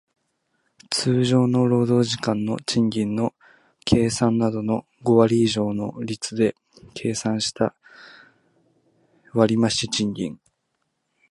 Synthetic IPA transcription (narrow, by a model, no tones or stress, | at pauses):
t͡sɨːʑo̞ːno̞ɾo̞ːd̪o̞ːʑikãnːo̞t͡ɕĩŋɡʲĩnːo̞ | kʰe̞ːsãnːad̪o̞no̞ | ɡo̞βaɾʲiːʑo̞ːno̞ɾʲit͡sɨd̪e̞ | kʰe̞ːsãɰ̃ɕi̥t̪a | βaɾʲimaɕit͡ɕĩŋɡʲḭ̃ŋ